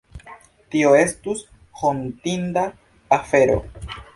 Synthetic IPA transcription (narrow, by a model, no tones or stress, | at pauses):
tio̞e̞stus | hontinda | afe̞ɾo̰